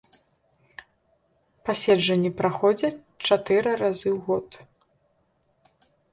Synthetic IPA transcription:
pasʲɛʐɐnʲːɛpɾaxɔd͡zʲɐ | t͡ʂat̪ɨɾɨɾazɨwɣɔt̪

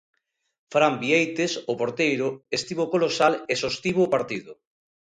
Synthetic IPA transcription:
fɾambiejt̪esopoɾt̪ejɾʊest̪iβokolosalesost̪iβoːpaɾt̪iðʊ

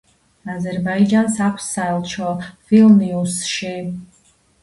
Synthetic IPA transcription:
azɛɾbaid͡ʒansakʷʰsːaɛlˠt͡ʃʰɔvilniusʃi

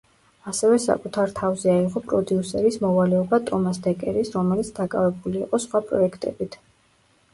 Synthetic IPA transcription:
asɛvɛsa̰kʼut̪ʰaɾt̪ʰavzɛaiqʼɔpʼɾɔd̪iusɛɾismɔvalɛɔbat̪ʼɔmasd̪ɛkʼɛɾisɾɔmɛlit̪sʰd̪akʼa̰vɛbuliːqʼɔsχwapʼɾɔ̰ɛkʰt̪ʼɛ̰bit̪ʰ

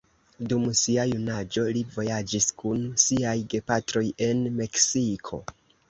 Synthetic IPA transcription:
dumsiajunad͡ʒo̞livo̞jad͡ʒiskunsiajɡe̞patɾo̞je̞nme̞ksikʰo̞̰

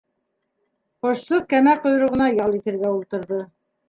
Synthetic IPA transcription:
qŏʃsɤkæmæqŏjɾŏʁɤ̆nɑjɑlˠit̪ɘ̆ɾɡæulˠt̪ɤ̆ɾðɤ

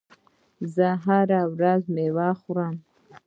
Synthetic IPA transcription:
zaɦaɾawɾazmewaχɾam

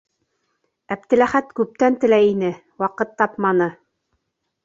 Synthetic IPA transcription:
æp̚t̪ɘ̆læχæt̪kʉp̚t̪ænt̪ɘ̆læjinɘ | wɑqɤt̪ːɑpmɑnɤ

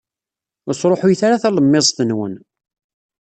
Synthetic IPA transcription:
əsˤɾˤoħʊjθaɾaθæləmːɪzˤθənwə̰n

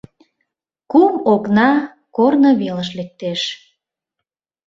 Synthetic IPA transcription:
kumoknɑ | kornə̆βeləʃ̬lek̚t̪eʃ

